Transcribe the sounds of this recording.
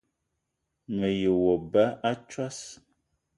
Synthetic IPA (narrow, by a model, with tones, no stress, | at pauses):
mə˨je˨wɔ˨ba˦a˦t͡ʃwa˦s